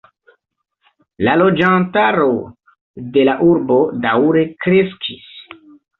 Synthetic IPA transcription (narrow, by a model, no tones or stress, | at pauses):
lalo̞d͡ʒantaɾo̞ | de̞laʔuɾbo̞dawɾe̞kɾe̞skʰis